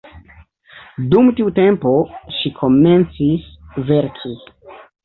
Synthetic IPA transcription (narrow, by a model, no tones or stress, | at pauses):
dumtiute̞mpo̞ʃikʰo̞me̞nt͡sisve̞ɾkʰi